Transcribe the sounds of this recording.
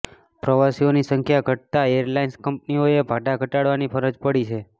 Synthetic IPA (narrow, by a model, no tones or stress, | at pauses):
pɾəʋasionisəŋkʰjaɡʱəʈ̚t̪aeɾlainskəmp̚nioebʱaɖaɡʱəʈaɽʋanipʰəɾəd͡ʒpəɽit͡ʃʰe